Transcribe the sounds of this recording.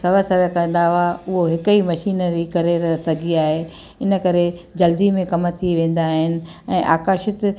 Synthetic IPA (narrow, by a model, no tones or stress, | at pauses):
sɐʋəsɐɾəkɐ̃n̆d̪aaʊɦoɦɪkəimɐʃiːnəɾikɐɾeɾɐsɐɡiaːɦe | ɪnə̆kɐɾed͡ʑɐld̪imẽkɐmt̪ʰiʋẽːn̆d̪aːɦɪnɪ̆ɛ̃ːʔaːkaːʃɪt̪